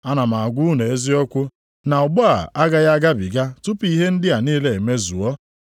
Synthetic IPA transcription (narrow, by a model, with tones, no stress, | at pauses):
a˦na˨ma˨a˨ɡʷʊ˦ne˨e˦zi˦ɔ˦kʷʊ˦ | na˨ʊ˨ɡ͡bɔ˦a̰˨a˦ɡa˦ja˦ɡa˦bi˨ɡa˦tʊ˦pi˦˨ɦe˦n̩˦dɪ˦a˨niː˦le˨e˨me˦zu˨ɔ˦